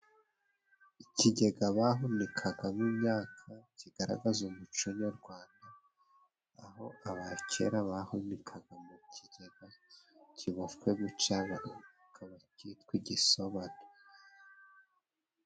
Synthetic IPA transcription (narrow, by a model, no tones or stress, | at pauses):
iciɟe̞ɡaβaɦunikʰaɡamimɲaːkʰaciɡaɾa̰ɡazumut͡ʃuɲoɾɡwaːndaː | ɦo̞ʔaβacʰe̞̰ɾaβahunikʰaɡ̥amucʰiɟe̞ɡ̥acʰiβafkweβut͡ʃaβa | kʰaβacitkwiɟisoβato